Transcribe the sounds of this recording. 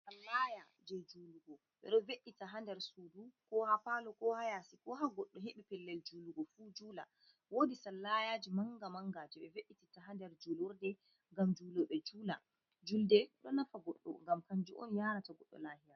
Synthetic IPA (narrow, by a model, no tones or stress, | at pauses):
salːaja | d͡ʒɛd͡ʒuːluɡɔ | ɓɛ̰ɗɔveɗːitaɦandɛɾsudukɔhafalɔkɔhajasikɔɦaɡɔɗːɔɦeɓipɛlːɛld͡ʒuluɡɔfud͡ʒuːla̰ | wodisalːajaːd͡ʒimaŋɡamaŋɡaːd͡ʒiɓɛveɗːititaɦandɛɾd͡ʒulɔɾdɛ | ŋɡamd͡ʒulɔɓɛd͡ʒuːla̰ | d͡ʒuldɛɗɔnːafaɡɔɗːɔ̰ŋɡamkaɲd͡ʒuʔɔ̰njaːɾataɡɔɗːɔ̰laːhiɾa